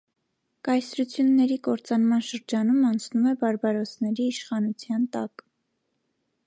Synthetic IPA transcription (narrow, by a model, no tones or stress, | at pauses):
kɑjsɾut͡sʰjunːɛɾikɔɾt͡sɑnmɑnʃəɾd͡ʒɑnumɑnt͡sʰnumɛbɑɾbɑɾɔt͡sʰnɛɾiːʃχɑnut͡sʰjɑnt̪ɑk